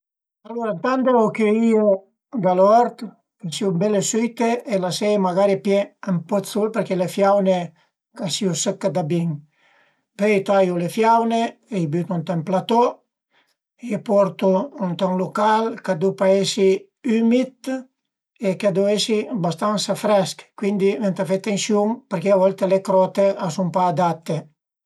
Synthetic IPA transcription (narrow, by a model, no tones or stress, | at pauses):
alːoɾant̪and̪elokeio | d̪alɔɾt̪ | kesiubɛlesit̪eelasɛjmaɡaɾipjɛampɔt̪sulpeɾkelefjawne | kasiusəkːad̪abiŋ | pøjt̪ajulefjawneeibyt̪unt̪emplat̪ɔ | epɔɾt̪uːnt̪aŋlukalkad̪upaesi | ymit̪ | ekad̪uesibast̪ansafɾɛskkwind̪ivent̪afet̪ːensjuŋpeɾkeavɔlt̪elekɾɔt̪eʔasumpaːd̪at̪ːe